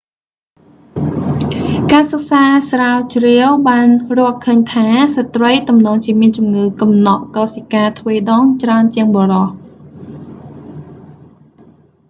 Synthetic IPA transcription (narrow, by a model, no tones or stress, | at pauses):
kaːsɑk̚saːsraːt͡ɕriəwɓaːnrʊ̆əhkʰəːɲt̪ʰaːsət̪rəjt̪umnɔːŋt͡ɕiəmiənt͡ɕumŋɨːkɑmnɑʔkɑːsikaːt̪ʰʋeːɗɑːŋt͡ɕraənt͡ɕiəŋɓoːrɑh